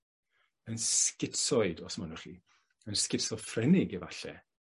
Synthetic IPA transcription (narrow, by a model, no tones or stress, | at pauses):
ənskɪtsɔɨdɔsmanurḭ | ənskɪtsɔfrɛnɪɡivaɬɛ̰